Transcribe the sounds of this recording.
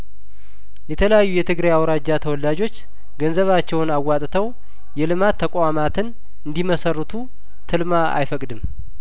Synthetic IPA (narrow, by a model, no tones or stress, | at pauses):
jɛt̪ʰələjajːujɛt̪ʰɨɡɾajawɾad͡ʒːat̪ʰəwɔlːad͡ʒo̞t͡ʃː | ɡənzəβat͡ʃːɛwnawːat̪ʼt̪ʰəw | jɛlɨmat̪ʰːəkʼamat̪ʰɨn | ɨnd̪iməsərːɨt̪ʰu | t̪ʰɨlmaa̰jfəkʼd̪ɨm